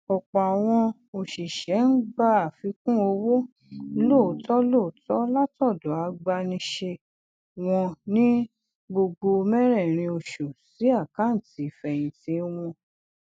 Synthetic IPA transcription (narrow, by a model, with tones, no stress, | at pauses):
ɔ˨k͡pɔ˨a˨w̃ɔ̃˧ | o˨ʃi˨ʃɛ˨˦n̩˦ɡ͡ba˦˧a˨fi˧kũ˦o˧wo˦ | lo˦˨tɔ˦lo˦˨tɔ˦la˦tɔ˦˨do˨˦a˧ɡ͡ba˧nĩ˧ʃe˧ | w̃ɔ̃˧nĩ˦ | ɡ͡bo˧ɡ͡bo˧mɛ˦ɾɛ˦˨ɾ̃ĩ˧o˧ʃo˨si˨˦a˦˨kã˨˦n̩˨ti˨˦˨fɛ˨j̃ĩ˧ti˧˦w̃ɔ̃˧